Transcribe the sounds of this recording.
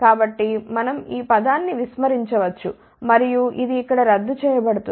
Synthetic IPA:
kaːbɐʈːimɐnɐmiːpɐd̪aːnːiʋismɐɾiɲt͡ʃɐʋɐt͡ʃːu | mɐɾijuʔid̪iːkːɐɽɐɾɐd̪ːut͡ʃɛːjɐbɐɽut̪u

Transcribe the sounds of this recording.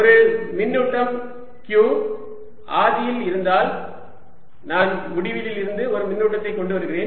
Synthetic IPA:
ɔɾɐɭmɪnːuːʈːɐm | kjuː | ʔaːðɪjɪlɪɾɯnd̪aːl | naːnmʊɽɪʋɪlɪlɪɾɯnd̪ɯɔɾɯmɪnːuːʈːɐt̪ːɐɪkːɔɳɖɯʋɐɾɯɣɪɾeːn

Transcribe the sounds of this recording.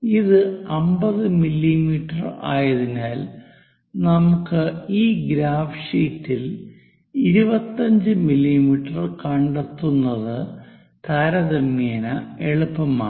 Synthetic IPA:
iðɨɐmbɐðɨmilːimiːʈːɐra̰ːjɐðinaːl | nɐmukːɨiːɡɾaːfʂiːtːil | iɾubɐt̪ːɐɲd͡ʑɨmilːimiːʈːɐrkɐɳɖɐt̪ːunːɐðɨ | t̪ʰɐɾɐðɐmːeːnɐeɭupːɐmaː

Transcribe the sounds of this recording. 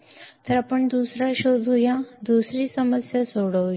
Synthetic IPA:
t̪əɾapəɳd̪usɾaɕod̪ʱujãd̪usɾiːsəməsjasoɽəʋ

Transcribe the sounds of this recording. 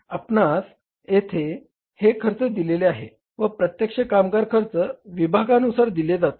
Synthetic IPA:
apnas | jet̪ʰe | hekʰəɾt͡səd̪ileleaɦḛ | ʋəpɾət̪jəkʂəkamɡaɾkʰəɾt͡səʋibʱaɡanusaɾd̪iled͡zat̪o

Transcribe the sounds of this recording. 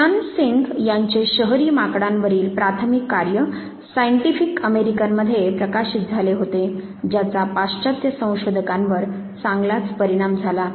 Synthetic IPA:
ansiŋɡjaɲt͡ɕeɕəɦɾimakɽãnʋəɾiːlpɾat̪ʰəmikːaɾjə | sajɳʈifikəmeɾikənməd̪ʱːjepɾəkaɕit̪̚d͡zʱaleɦot̪e | d͡ʑjat͡sapast͡ɕat̪jəsə̃w̃ɕod̪ʱəkãnʋəɾ | t͡sãŋɡlat͡spəɾiɽ̃amd͡zʱala

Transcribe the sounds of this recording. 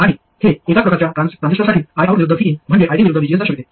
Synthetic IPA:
aɽ̃i | heekapɾəkaɾt͡ɕjatat̪and̪eʂʈasaʈʰiːt̪ajaʋəɾʋiɾud̪ʱəfiːnm̤əɳd͡ʑeʔajd̪iʋiɾud̪ʱəʋid͡ʑiʋed͡z̪aɕəkit̪e

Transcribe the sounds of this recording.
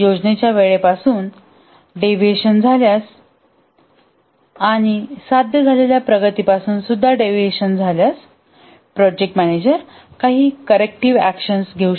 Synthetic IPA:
jod͡ʑnet͡ɕjaʋeɭepasuːn | ɖeʋeɕənd͡zʱaljas | aɽ̃isad̪ʱjəd͡zʱaleljapɾəɡət̪iːpasuːnsud̪ʱːaɖeʋeɕənd͡zʱaljas | pɾɔd͡ʑek̚ʈmæned͡ʑəɾ | kaɦiːkəɾek̚ʈiʋækɕənsɡʱeu

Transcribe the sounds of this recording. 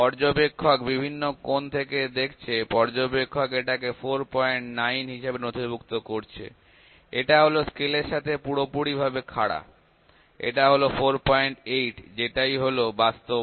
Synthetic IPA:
pɔɾd͡ʑobekʰːokbibʱinːokont̪ʰeked̪ekʰt͡ɕʰepɔɾd͡ʑobekʰːokeʈak̬efoɾpɔeɳʈnajnɦiʃebenot̪ʰibukt̪okoɾt͡ɕʰḛ | eʈaɦoloskeleɾʃat̪ʰepuɽopuɽibʱabekʰaɽa̰ | ḛʈaɦolofoɾpɔjeɳʈejʈd͡ʑeʈajɦolobast̪o

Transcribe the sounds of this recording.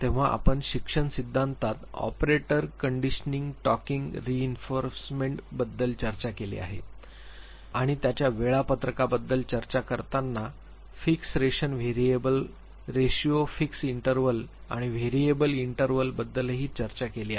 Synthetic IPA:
t̪ẽʋ̤aʔa̰pəɳɕikʂəɳsid̪ʱːãnt̪at̪ɔ̰pɾeʈəɾkəɳɖiɕəniŋɡʈɔkiŋɡɾiinfoɾsmeɳʈbəd̪ːəlt͡ɕəɾt͡ɕakelḛa̰ɦe | aɽ̃it̪jat͡ɕjaʋeɭapət̪ɾəkabəd̪ːəlt͡ɕəɾt͡ɕakəɾt̪anːa | fiksɾeɕənʋeɾiebəl | ɾeɕiofiksiɳʈəɾʋəlaɽ̃iʋeɾiebəliɳʈəɾʋəlbəd̪ːəlɦiːt͡ɕəɾt͡ɕakeliae

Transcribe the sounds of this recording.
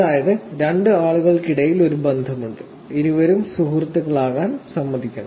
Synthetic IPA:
ɐaːjɐðɨɾeɳɖɨaːɭuɣɐɭkiɽɐjilo̞ɾubend̪ʱɐmuɳɖɨ | iɾuʋɐɾumsuɦrɐt̪ːuɣɐɭaːɣaːnsɐmːɐðikʲːɐɳɐ̰m

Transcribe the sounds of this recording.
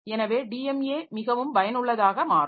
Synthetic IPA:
ɛnɐʋeːɖiːɛmeːmɪɣɐʋɯmbɐjɐnɯɭːɐðaːɣɐmaːɾ

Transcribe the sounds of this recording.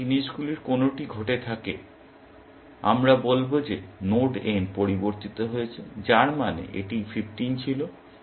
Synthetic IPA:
iniʃɡuleɾkonoʈiɡʱoʈet̪ʰake | a̰mɾabolbod͡ʑenoɾɖenpoɾiboɾt̪it̪oɦoet͡ɕʰed͡ʑaɾmanḛʔḛʈififʈint͡ɕʰilo

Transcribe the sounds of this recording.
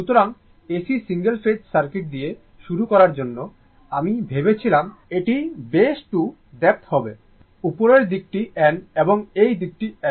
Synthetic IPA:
ʃut̪oɾaŋ | esisiŋɡelfedsaɾkeʈ̚d̪ije | ʃuɾukɔɾaɾd͡ʑonːo | amibʱebet͡ɕʰilameʈibeʃʈu | d̪ɛp̚t̪hɔbe | upoɾeɾd̪ik̚ʈiʔɛneboŋejd̪ik̚ʈiɛ

